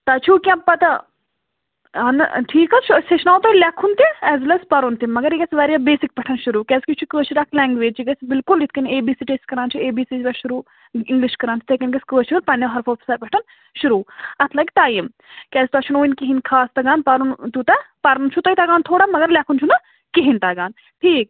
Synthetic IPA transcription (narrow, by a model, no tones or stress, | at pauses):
t̪ɐt͡ʃʰukʲãpɐt̪ɐ | ɐnʈʰiːkɐt͡ʃʰuseʃʰnaːwt̪ɐlʲɛkʰunt̪iɛːzlɐspɐɾont̪imːɐɡɐɾiɡɐsʋɐɾjabeːsik̚pɐʈʰɐnʃuɾuːkʲɛskʲit͡ʃʰukəːt͡ʃʰiɾaːkʰlɛːŋɡʋeːd͡ʒt͡ʃiɡɐsbilkulit̪ʰkɐneːbiːsiːʈeːsʈkɐɾaːnt͡ʃʰueːbiːsiːsʋʲɐʃuɾuː | ɪŋɡliʃkɐɾaːnt͡ʃ̪ʰi̥t̪ʰekɐnɡɐsʲkəːt͡ʃʰilpɐnɐɦɐɾfoːpi̥saːɾpɐʈʰɐn | ʃuɾuːɐt̪ʰlɐɡʲt̪aːjim | kʲɛːst̪uɐt͡ʃʰunoːinkiɦinkʰaːst̪ɐɡaːnpɐɾunt̪ut̪ɐpɐɾɐnt͡ʃʰut̪ɐit̪aːɡaːnt̪ʰoːɽamɐɡɐɾlʲakʰunt͡ʃʰunɐ | kiɦint̪aːɡaːn | ʈʰiːk̚